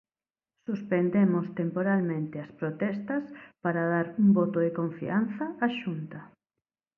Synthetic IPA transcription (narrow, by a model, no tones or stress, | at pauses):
suspend̪emost̪empoɾalmẽnt̪ɪɐspɾot̪ɛst̪ɐspaɾaðaɾuŋbot̪oðekoɱfḭan̟θɐːʃunt̪ɐ